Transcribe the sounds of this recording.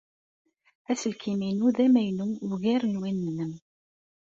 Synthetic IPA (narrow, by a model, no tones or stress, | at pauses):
æsəlkʰiminuðæmæjnuʊɣæɾənwinːnəm